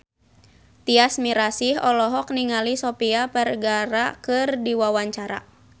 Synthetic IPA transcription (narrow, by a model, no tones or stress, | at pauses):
t̪iasmiɾasiɦɔlɔɦɔk̚niŋalisɔpiapɛrɡaɾakɨrdiwawaɲt͡ʃaɾa̰